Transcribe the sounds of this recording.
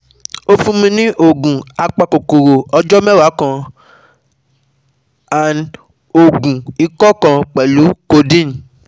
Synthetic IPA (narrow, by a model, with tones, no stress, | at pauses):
o˦fũ˧mĩ˧nĩ˦ʔo˦˨ɡũ˨a˧k͡pa˧˨ko˨ko˨ɾo˨ɔ˧d͡ʒɔ˦mɛ̃˦˨wa˨˦kã˧ | a˨n | o˨ɡũ˨i˧kɔ˦kã˧k͡pɛ˨lu˨˦ko˧dĩ˦˨n˨